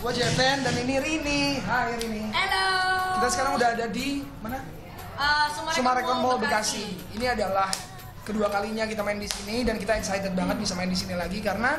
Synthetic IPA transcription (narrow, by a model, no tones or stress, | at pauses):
uad͡ʒɛvɛndaniniɾiniɦaiɾinilokkit̪asə̥kaɾaŋudaɦadadimana | əsumasumaɾekɔnmɔlbikasih | iniadalah | kəduakaliɲak̬it̪amaɪndisinidankit̪aɛksajt̪ət̪̚baŋət̪̚bisamaɪndisinilaɡikaɾəna